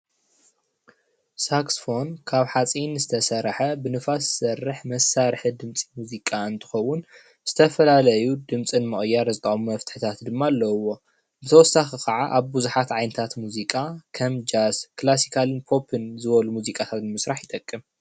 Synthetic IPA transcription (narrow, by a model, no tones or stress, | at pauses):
saksfo̞nkʰaβħat͡sʼinzɨt̪ʰɐsɐɾħɐbɨnɨfassɐrːɨħmɐsːaɾħɨd̪ɨmt͡sʼi̥muzikʼaɨnt̪ʰɨ̥xɐwːʊn | z̥ɨt̪ʰɐfɐlalɐjud̪ɨmt͡sʼɨnmɨʔʼjːaɾzɨt̪ʰʼɐχʼmumɐft̪ʰɨ̥ħɨt̪ʰat̪d̪ɨmːalːɐwːo̞ | bɨt̪ʰɐwɔsːaxikʰɐʕaʔaβbuzuħat̪ʕajnɨt̪ʰat̪muzikʼakʰɐmd͡ʒazklasi̥kʰalɨnpʰo̞pʰɨnzɨβɐlumuzikʼat̪ʰat̪nɨmɨsɾaħjɪt̪ʼɐkʼːɨm